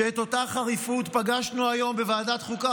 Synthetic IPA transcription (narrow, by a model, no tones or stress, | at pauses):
eːt̪o̞taχaʁifut̪paɡaʃnuajo̞mbevaːdat̪χuka